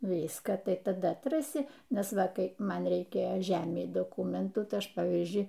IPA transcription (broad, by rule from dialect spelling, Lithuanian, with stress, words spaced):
ˈnʊ ˈʋʲiːskɑː ˈtɐɪ tɐˈdɐ ɐtˈrɑːsʲɪ ˈnʲɛs ˈʋɐ ˈkɐɪ ˈmɐn rʲɛɪˈkʲeːjoː ˈʒʲæːmʲɛɪ doːˈkuːmʲɛntuː ˈtɐɪ ˈɐʃ ˈpɑːʋʲiːzʲd͡ʒʲʊɪ